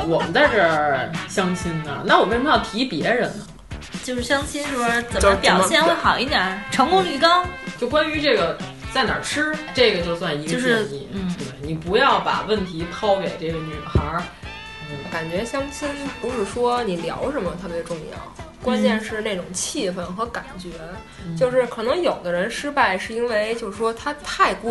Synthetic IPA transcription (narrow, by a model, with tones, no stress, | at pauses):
wɔ˨˩mə˦nt͡sa˥˧ɪʈ͡ʂə˥˩ɕjɑ˥ŋɕi˥nə̰˨na˥˩wɔ˨˩m̃ʰ˧˥˧jɑ˥˩t̪ʰi˧˥pjɛ˧˥ɻə˧˥nə˧ | t͡ɕjo˥˧ʊʂɻ̩˥˩ɕjɑ˥ŋɕi˥nɻ̩˥˩ə˥t͡sə˨˩o˥˧˦pjm˧˥ɕjɛ˥˧nxe˥xɑ˨˩ʊi˥˩t̪jɛ˨˩˦ʈ͡ʂʰɤ˧˥ŋkʊ˥ŋly˨˩kɑ˥t͡ɕjo˥˩ʊkwa˥ny˧˥ʈ͡ʂɤ˥˩ɡə˩t͡sa˥˩ɪnjɑ̰˨˩ʈ͡ʂʰɻ̩˥ʈ͡ʂɤ˥˩ɡə˩t͡ɕjo˥˧ʊswa˥˩ni˧˥əo˥˧ʂ̩˥˩˥nḭ˨˩˦ə˨˩ni˨˩pu˧˥jɑ˥˩ʊpa̰˨˩wə˥˩nt̪ʰi˧˥t̪ʰɑ˥ʊke˨˩ɪʈ͡ʂɤ˥˩ɡə˩ny˨˩xɑ˧˥˩ | ka˨˩nt͡ɕɥɛ˧˥ɕjɑ˥ŋt͡ɕʰi˥npu˧˥ʂɻ̩˥˩ʂwɔ˥ni˨˩ljɑ̰˧˥ʊʂə˧˥mə˧t̪ʰɤ˥˩bjɛ˧˥ʈ͡ʂʊ˥˧ŋjɑ̰˥˩ʊ | kwa˥nt͡ɕjɛ˥˧nʂɻ̩˥˧ne˥˩ɪʈ͡ʂʊ˨˩ŋt͡ɕʰi˥˧fə˥˩nxɤ˧˥ka˨˩nt͡ɕɥɛ˧˥ | t͡ɕjo˥˧ʊʂɻ̩˥˩kʰɤ˨˩nɤ˧˥ŋjo˨˩ʊd̪ə˦ɻə˧˥nʂɻ̩˥pa˥˩ɪʂɻ̩˥˩i˥nwe˥˧ɪt͡ɕjo˥˧ʊʂɻ̩˥˩ʂwɔ˥t̪ʰa˥t̪ʰa˥˧ɪku˥